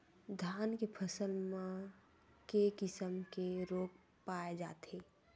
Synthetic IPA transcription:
d̪ʱjaːnkepʰəsəlmẽ | kekɪsəmkeɾoːk̚ | paed͡ʒa̰ːt̪e

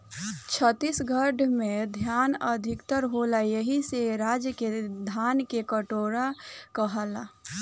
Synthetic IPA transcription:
t͡ʃʰət̪ːisɡʱəɖʱmẽd̪ʱjaːnəd̪ʱɪkt̪əɾɦolajəɦiseɾaːd͡ʒəked̪ʱaːnkekəʈoːɾakəɦəla

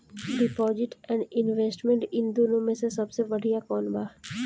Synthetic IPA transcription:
ɖɪpɔːzɪʈɛ̃ːɳɖɪnʋeːsʈmẽɳʈɪnd̪oːnõmẽsesɐbsebɐɽ̤ijakɔːnbaː

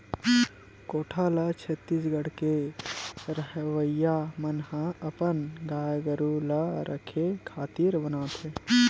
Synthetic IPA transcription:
koːʈʰaːlat͡ʃʰət̪ːiːsɡəɽ̤ke | ɾəɦʋəjamənhaɐpənɡaːjɡəɾulaɾʔə̰kʰekʰaːt̪iːɾbənaːt̪ɦeː

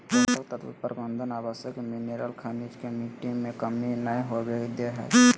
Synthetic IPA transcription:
əsəlt̪ət̪ʰbḭpəɾbənd̪ʱənaːbəsjəkmineɾəlkʰənid͡ʒkemiʈiŋmẽkəminəĩɦobekd̪eɦɛ̰

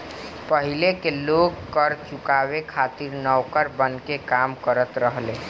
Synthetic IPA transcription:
pəɦilekeloɡkəɾt͡ʃukabekʰat̪iɾnəwkəɾbənkekamkəɾət̪ɾəɦle

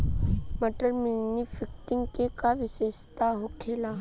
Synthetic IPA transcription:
mɐʈəɾmɪnifɪk̚ʈɪ̃ŋɡkekaʋɪseʃt̪aɦokʰeːla

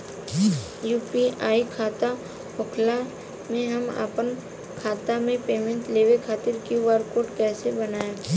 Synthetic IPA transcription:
juːpiaːikʰaːt̪a | ɦʊkʰla | mẽɦɐma̰pən | kʰaːt̪amẽpeːmẽɳʈleːʋekʰaːt̪ɪɾkʋaːɾkoːɾʈkɛːsebɐnaːje

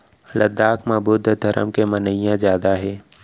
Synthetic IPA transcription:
lɐd̪aːkmabuːd̪ʱd̪ʱɐɾʔə̰mkemɐnəɪjãzjaːd̪aɦɛː

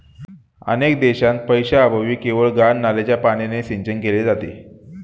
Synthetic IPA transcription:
ə̰nekd̪eɕãnt̪̚pəjɕaːbʱəʋiːkeʋəɭɡanːalat͡ɕjapaɽ̃eneseɲt͡ɕənkeled͡zat̪ḛ

